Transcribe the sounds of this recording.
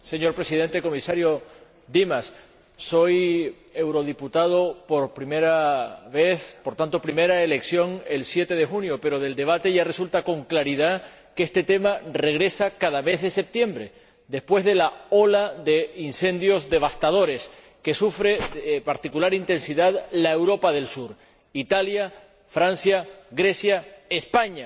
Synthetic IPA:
se̞ɲo̞ɾpɾe̞siðe̞nt̪e̞ko̞misaɾjo̞ | d̪imas | so̞je̞wɾo̞ð̞iput̪að̞o̞po̞ɾpɾimeɾaβe̞θpo̞ɾt̪ant̪o̞pɾime̞ɾaele̞ksjo̞ŋe̞lsje̞t̪e̞ðe̞xunjo̞pe̞ɾo̞ð̞e̞ld̪e̞β̞at̪e̞ʝare̞sult̪ako̞ŋklaɾið̞a | ke̞st̪e̞t̪e̞mare̞ɣɾe̞sakaðame̞zðe̞se̞p̚t̪je̞mbɾe̞ | d̪e̞spwe̞zðe̞lao̞laðe̞insẽ̞nd̪jo̞zðe̞β̞ast̪að̞o̞ɾe̞s | ke̞sufɾe̞paɾt̪ikulaɾint̪ẽ̞nsiðaðlae̞wɾo̞paðe̞lsuɾ | it̪alja | fɾansjaɣɾe̞sjaespaɲa

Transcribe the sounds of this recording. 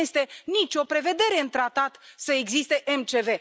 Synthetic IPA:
est̪e̞nit͡ʃʲo̞pɾe̞ve̞d̪e̞ɾe̞ɨnt̪ɾat̪at̪səe̞ɡzist̪e̞ʔemt͡ʃe̞ve̞

